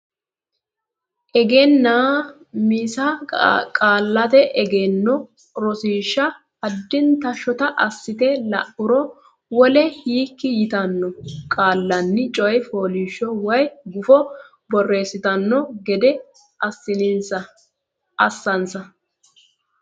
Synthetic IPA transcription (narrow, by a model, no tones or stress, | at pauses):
ʔɛɡenːaː | misɐkʼaːlːɐt̪ɛʔɛɡeːnːɔ | ɾɔsiːʃːɐ | ɐd̪ːɪnt̪ɐʃːɔt̪ɐʔɐsːɪt̪ɛlɐʔʊɾɔ | wɔlɛhiːkːɪjɪt̪ɐnːɔkʼaːlːɐnːɪt͡ʃʼɔjfoːliːʃːɔwɐjɡʊfɔ | bɔrːe̞ːsːɪt̪ɐnːɔɡɛd̪ɛ | ɐsːɪnɪnsɐ | ɐsːɐnsɐ